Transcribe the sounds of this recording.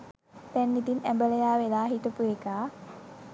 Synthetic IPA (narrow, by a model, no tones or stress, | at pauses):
t̪ænːit̪inæmbələjaːʋelaːɦit̪əpuekaː